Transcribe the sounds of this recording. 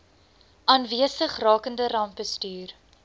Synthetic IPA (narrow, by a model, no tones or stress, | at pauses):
ɑːnviəsəχrɑːkəndərɐmp̚bəstyːr